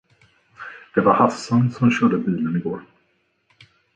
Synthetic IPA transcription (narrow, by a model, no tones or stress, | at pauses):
d̪̥ɛvaɾhasːansɔmɕœːɖəbiːlənɪɡoːɾ